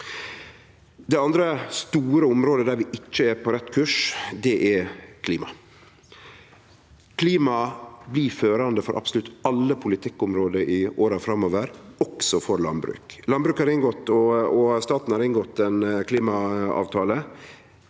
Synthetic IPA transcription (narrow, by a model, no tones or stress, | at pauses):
d̪ɛɑnd̪ɾəst̪uːɾəʊmɾoːd̪əd̪æɾʋɪʔɪt͡ʃːəæɾpʰɔɾɛt̪ːkʰʉːʂd̪ɛʔɛɾkʰliːmɑ | kʰliːmɑbliføːɾɑnd̪əfɔɾʔɑ̰bsəlʉt̪ːɑlːəpʰʊlɪt̪ʰɪkːʊmɾoːd̪əʔɪʔoːɾɑfɾɑmːoːʋəɾɔksɔfɔɾlɑ̰nbɾʉ̰ːklɑnbɾʉːkhɑːɾɪnɡɔt̪ːɔɔst̪ɑːt̪n̩hɑɾɪnɡɔt̪ːɛnkʰliːmɑɑ̰ːʋt̪ʰɑːlə